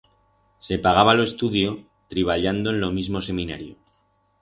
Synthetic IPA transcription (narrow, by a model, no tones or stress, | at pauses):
se̞paɣ̞aβ̞aloe̞st̪uðjo̞ | t̪ɾiβ̞aʎand̪oenlo̞mizmo̞se̞mĩnaɾjo̰